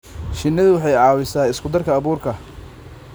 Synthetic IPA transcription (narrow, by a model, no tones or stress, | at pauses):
ʃɪnːɪðʊwɑħɑjʕɑːwɪsaːɪskʰʊd̪ɐrkʰɐːβuːrkʰɐ